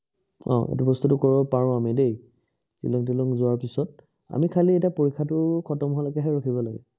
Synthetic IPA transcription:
ɔ̰̃ʔḛtubɔstutukɔbɔpaɹɔ̃amidej | tḭlɔŋtilɔŋzʊaɹpisɔt̚ | a̰mikʰaliɛtapoɹikʰːatʊkʰɔtɔmɦalakɛɦɛɹɔkʰibɔlaɡɛ̰

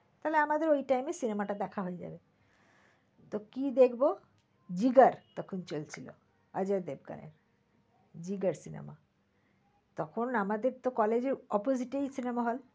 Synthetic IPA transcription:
t̪aɦleamad̪eɾojʈajmesinemaʈad̪ɛkʰaɦoed͡ʑa̰be | t̪okid̪ekʰbo | d͡ʑiɡaɾt̪ɔkʰont͡ɕolt͡ɕʰilo̰ | ad͡ʑaɾd̪eb̚ɡa̰nḛɾ | d͡ʑiɡaɾsinḛma̰ | t̪ɔkʰonamad̪eɾt̪okɔled͡ʑeɾɔpoziʈejsinemaɦol

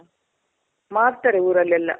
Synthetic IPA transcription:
maːɾt̪ːɐɾeuːɾɐlːɛlːɐ̰

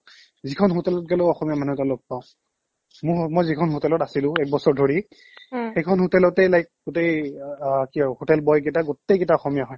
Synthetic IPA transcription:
zikʰɔnɦotɛlɔt̚ɡɛloɔxɔmijamanutalɔb̚paʊ̃ | mʊmɔjzikʰɔnɦotɛlɔtasilʊ̃ɛk̚bɔsɔɹdʱoɹi | xejkʰɔnɦotɛlɔtejlajk̚ɡotej | kiɔhotɛlbɔjɡɛtaɡotːejketaɔxɔmijaɦɔj

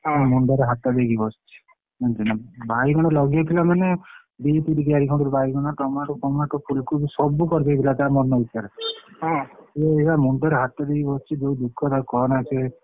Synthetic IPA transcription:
ɦɔ̃muɳɖɔɾeɦat̪ad̪eɡibɔst͡ʃʰi̥ | ɦd͡ʒinabʱaiɡɔɽ̃ɔlɔɡiat̪ʰilamane | bip̪iʈiɡiaɾikʰɔʈɔɾubʱaiɡɔɽ̃at̪ɔmaɾɔpɔmakɔpʰulkubisɔbukɔɾd͡ʒ̪ajt̪ʰilat̪amɔɾnɔit̪ːaɾeɦeeɡamuɳɖɔɾeɦat̪ad̪eɡibɔst͡ʃʰid͡ʒeũd̪ukʰːɔt̪aukɔnat͡ʃʰe

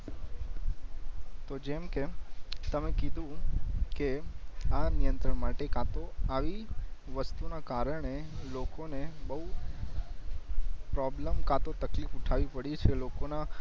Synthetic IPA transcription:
t̪od͡ʒemket̪əmekid̪ʱũkeanijə̃nt̪ɾəɳmaʈekat̪oaʋiʋəst̪unakaɾəɳ̃elokonebəɦu | pɾɔbləmkat̪ot̪əklifuʈʰaʋipəɽit͡ʃʰelokona

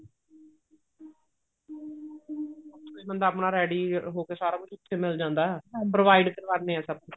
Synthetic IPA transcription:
mə̃nd̪aːpɳaːɾɛːɖiːɦoːkeːsaːɾaːkʊt͡ʃʰʊt̪ʰːeːmɪld͡ʒãːnd̪aːɦɛpɾoʋaːiɖkəɾʋəɾneːɛ̃ːsəb̚k

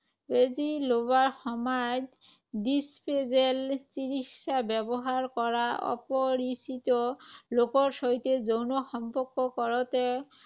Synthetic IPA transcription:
bezilobaɹxɔmajd | dispezelsiɹiksabɛbɔɦaɹkɔɹaɔ̰pɔɹisit̪ɔlokɔɹsɔitezownɔxɔmpɔɹkːɔkɔɹɔtɛ

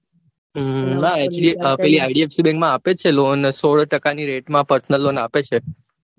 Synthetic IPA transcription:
ɦaɛkt͡ʃliəpɛliajɖiefsibɛ̃ŋɡmãːpet͡ʃʰelonsoɭʈəkaniɾeʈmãpəɾsnəlːonapet͡ʃʰe

